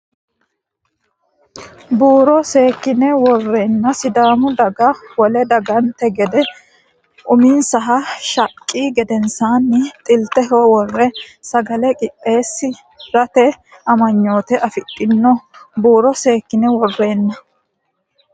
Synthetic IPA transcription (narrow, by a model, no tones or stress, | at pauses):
buːɾɔse̞ːkːɪnɛwɔrːe̞ːnːɐsɪd̪aːmʊd̪ɐɡɐwɔlɛd̪ɐɡɐnt̪ɛɡɛd̪ɛ | ʔʊmiːnsɐɦɐʃɐkʼːiːɡɛd̪ɛnsaːnːɪt̪ʼɪlt̪ɛɦɔwɔrːɛsɐɡɐlɛkʼɪpʼːe̞ːsːɪ | ɾɐt̪ɛ | ɐmɐɲːo̞ːt̪ɛʔɐfɪt̪ʼːɪnːɔbuːɾɔse̞ːkːɪnɛwɔrːe̞ːnːɐ